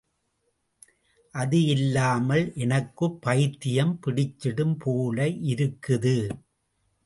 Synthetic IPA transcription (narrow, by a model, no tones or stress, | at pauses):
ʔɐðɯɪlːaːmɐlʔɛnɐkːɯpːɐjt̪ːɪjɐmpɪɽɪt͡ʃːɪɽɯmpʰoːlɐɪʔɪɾɯkːɯðɯ